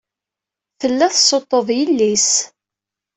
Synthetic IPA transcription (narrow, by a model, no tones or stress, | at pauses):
θəlːæθsˤot̪ˤːoðˤjəlːis